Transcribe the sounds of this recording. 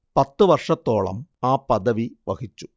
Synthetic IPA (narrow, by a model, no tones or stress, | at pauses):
pɐt̪ːɨʋɐrʂɐt̪ːo̞ːɭɐ̰maːpːɐðɐʋiʋɐ̰ɣit͡ɕːu̥